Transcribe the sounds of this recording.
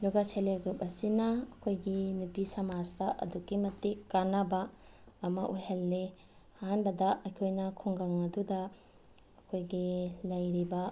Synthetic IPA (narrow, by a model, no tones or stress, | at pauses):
duɡaseleɡɾupɐsinɐːkʰojɡinupisɐmad͡ʒtɐʔɐ̰dukimɐtːikanɐbɐːmɐʔuhelne | hanbɐdɐɐjkʰojnɐkʰuŋɡaŋɐdudɐː | kʰojɡilɐjɾibɐ